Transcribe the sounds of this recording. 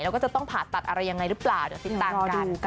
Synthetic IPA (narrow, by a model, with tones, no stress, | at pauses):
jɛː˦˥kɔː˥˩t͡ɕa˨˩t̪ɔ˥˩ŋpʰaː˨˩nt̪ːa˨˩t̪̚ʔa˧ɾa˧jːa˧ŋːa˧jɾɯ˦˥plaː˨˩wdɯ˨˦t̪i˨˩t̪ːaː˧kad